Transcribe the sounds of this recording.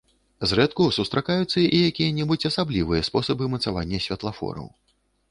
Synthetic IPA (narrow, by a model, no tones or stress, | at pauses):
zrɛt̪kusust̪ɾakajut̪sːɐʔijakʲijɐnʲɛbut͡sʲɐsablʲivɨjɐspɔsɐbɨmɐt̪sava̰nʲːɐsʲvʲɐt̪lˠafɔ̰ɾɐ̰w